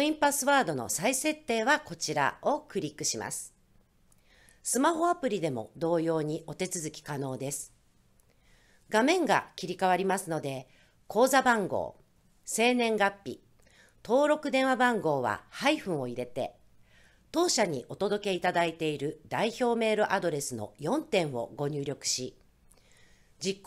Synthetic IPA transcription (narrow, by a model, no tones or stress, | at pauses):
oĩmpasɨβaːd̪o̞no̞̰saise̞t̪ːe̞ːβako̞t͡ɕiɾa̰o̞kɯ̟ɾʲikːɯ̟ɕima̰sɨ̥ | sɨmaɦo̞apɯ̟ɾʲid̪e̞mo̞̰d̪o̞ːjo̞ːɲ̟iʔo̞t̪e̞t͡sɨzɨkʲi̥kano̞ːd̪e̞sɨ̥ | ɡamẽ̞ŋɡa̰kʲiɾʲikaβ̞aɾʲimasɨno̞d̪e̞ | kʰo̞ːzabãŋɡo̞̰ː | se̞ːnẽ̞ŋɡapʲːḭ | t̪o̞ːɾo̞kɯ̟d̪ẽ̞ɰ̃abãŋɡo̞ːβa̰haiɸɯ̟̃ɰ̃o̞iɾe̞t̪e̞ | t̪o̞ːɕaɲ̟ḭʔo̞t̪o̞d̪o̞ke̞it̪ad̪ait̪e̞iɾɯ̟d̪̥aiço̞ːme̞ːɾɯ̟ʔad̪o̞ɾe̞sɨno̞̰jõ̞nt̪ẽ̞ɰ̃βo̞̰ɡo̞ɲ̟ɨːɾʲo̞kɯ̟̥ɕi | d͡ʑikː